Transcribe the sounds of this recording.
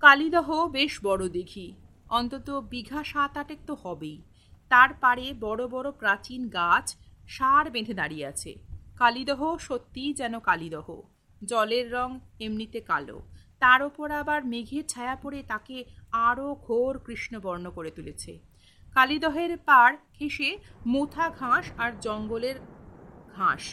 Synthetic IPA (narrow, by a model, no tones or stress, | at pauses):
kalid̪ɔɦobeʃbɔɽod̪eɡʱi | ɔnt̪ot̪obiɡʱaʃat̪aʈek̚t̪ohɔbej | t̪aɾpaɾebɔɽobɔɾopɾat͡ɕinɡat͡ɕʃaɾbed̪ʱed̪aɾiea̰t͡ɕʰḛkalid̪ɔɦoʃot̪ːid͡ʑɛnokalid̪ɔɦo̰ | d͡ʑɔleɾːɔŋemnit̪eka̰lo̰t̪aɾopoɾabaɾmeɡʱeɾt͡ɕʰaeapoɾet̪akeaɾoɡʱoɾkɾiʃnobɔɾnokoɾet̪ulet͡ɕʰḛ | kalid̪ɔɦeɾpaɾkʰeʃemot̪ʰaɡʱãʃaɾd͡ʑɔŋɡoleɾɡʱãʃ